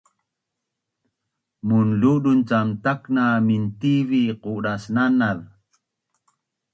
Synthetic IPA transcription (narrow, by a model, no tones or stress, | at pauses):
munluɗunt͡samtaknamintiviquɖasnanað